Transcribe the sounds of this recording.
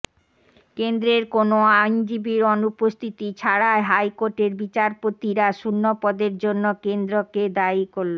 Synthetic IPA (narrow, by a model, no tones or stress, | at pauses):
kend̪ɾeɾkonoajnd͡ʑibiɾɔnupost̪ʰit̪it͡ɕʰaɽaeɦajkoɾʈeɾbit͡ɕaɾpot̪iɾaʃunːopɔd̪eɾd͡ʑonːokend̪ɾoked̪aikoɾlo